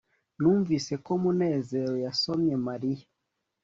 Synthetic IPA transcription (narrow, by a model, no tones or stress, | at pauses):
nuːɱvise̞ko̞mune̞ːze̞ɾo̞jaso̞mɲe̞maɾijḁ